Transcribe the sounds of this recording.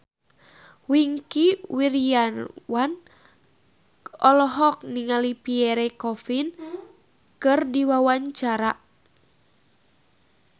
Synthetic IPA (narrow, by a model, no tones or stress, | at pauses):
wiŋkiwirianwan | ʔɔlɔɦɔk̚niŋalipiɛɾɛkɔfin | kɨrdiwawaɲt͡ʃaɾa